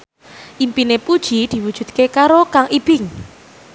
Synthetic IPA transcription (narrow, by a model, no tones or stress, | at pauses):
ʔimpinepud̥ʒ̥i̤d̪̥i̤wud̥ʒ̥ṳt̪̚kekaɾokaŋʔib̥ɪŋ